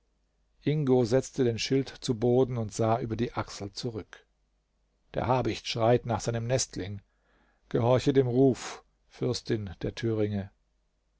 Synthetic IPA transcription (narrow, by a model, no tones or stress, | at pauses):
ʔɪŋɡozɛt͡stədeːnʃɪltt͡suboːdn̩ʊntz̥aːʔyːbɐdiːʔaksl̩t͡suʁʏk | d̥ḛɐhaɐbɪçtʃʁ̥aɪtnaːχz̥aɪnəmnɛstʰlɪŋ | ɡ̥əhɔɐçədeːmʁuːf | fʏɐstɪnd̥eːɐtʰyːʁ̞ɪŋə